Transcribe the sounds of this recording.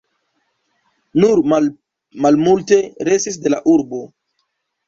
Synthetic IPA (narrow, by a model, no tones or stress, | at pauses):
nuɾ | malmulte̞ɾe̞sis̬de̞laʔuɾbo̞